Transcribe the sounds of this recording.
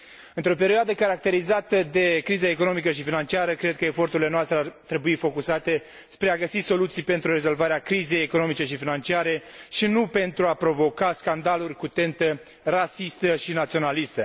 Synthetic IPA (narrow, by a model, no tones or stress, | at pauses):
ɨnt̪ɾo̞pe̞ɾioad̪əkaɾak̚t̪e̞ɾizat̪əd̪e̞kɾizaeko̞no̞mikəʃifinant͡ʃiaɾəkɾe̞d̪̚kəefo̞rt̪uɾile̞noast̪ɾeart̪ɾe̞buifo̞kusat̪e̞ | spɾe̞aɡəsiso̞lut̪sijpe̞nt̪ɾurɾe̞zo̞lvaɾeakɾize̞jeko̞no̞mit͡ʃe̞ʃifinant͡ʃiaɾe̞ʃinupe̞nt̪ɾuapɾo̞vo̞kaskand̪alurʲkut̪e̞nt̪ə | rasist̪əʃinat̪sio̞nalist̪ə